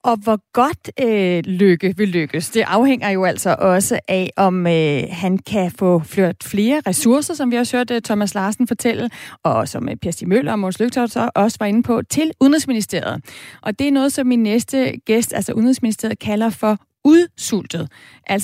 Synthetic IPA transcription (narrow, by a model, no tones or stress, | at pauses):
ʔɒ̽ʋɒɡ̥ɒ̽d̥øløɡ̥əʋe̝lːøɡ̥əsd̥e̝ʔɑ̈ʊheŋ̰ɐjo̝æl̰sɒ̽ʔɒ̽səʔæʔɒ̽mhænkʰæfɔ̰fløɐd̥fle̝ːɐʁɛsuɐsɐsɒ̽mʋihɒshøɐ̰d̥t͡sʰɒ̽mæslɑ̈ːsn̩fɒ̽t͡sʰel̰l̩ɒ̽sɒ̽mpʰiɐsd̥imøl̰ɐɒmoːnsløɡ̥̚t͡sʰɒ̥sɒʔɒ̽səʋɑ̈e̝nəpʰɒ̽t͡sʰe̝lʔuðˠn̩ʁisminisd̥e̝ɐ̰ð̞̩ˠʔɒ̽d̥e̝æɐnɔ̽ːð̞̩ˠsɒ̽mːinːesd̥əɡ̥esd̥æl̰sɒʔuðˠnʁisminisd̥e̝ɐ̰ð̩ˠkʰælɐfɒ̽ | uðˠsul̰d̥ð̞̩ˠ | ʔæl̰s